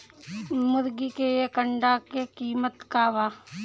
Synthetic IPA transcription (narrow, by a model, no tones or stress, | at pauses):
mʊɾɡikeekəɳɖakekiːmət̪kaːʋaː